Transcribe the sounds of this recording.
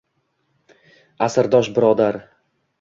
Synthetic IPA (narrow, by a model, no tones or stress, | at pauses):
asɪɾd̪ɒʃbɪɾɒd̪aɾ